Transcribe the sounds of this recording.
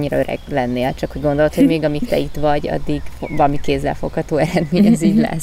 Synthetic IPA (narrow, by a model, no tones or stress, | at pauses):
ɲːiɾɒøɾɛ̰ɡlɛnːeːlt͡ʃɒkho̞ɟɡo̞nd̪o̞lot̪ho̞ɟmeːɡɒmikt̪ɛ̰it̪ʋɒɟɒ̰d̪ːiɡvɒlɒmikeːzːɛ̰lfo̞khɒt̪oːɛɾɛd̪meːɲɛziːɟlɛ̰sː